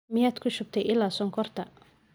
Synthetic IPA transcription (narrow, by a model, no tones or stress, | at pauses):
mɪjaːd̪kʰʊʃʊb̚t̪ʰɛjʔɪlːaːsɔːŋkʰɔrt̪ʰɐ